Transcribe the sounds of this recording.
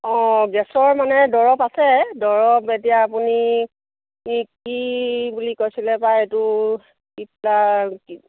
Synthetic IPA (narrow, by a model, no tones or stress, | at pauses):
ɔ̃ɡɛsɔɹmanɛdɔɹɔpasɛdɔɹɔpet̬ijaːpuni | kibulikojsilɛpajetʊ | kiplaki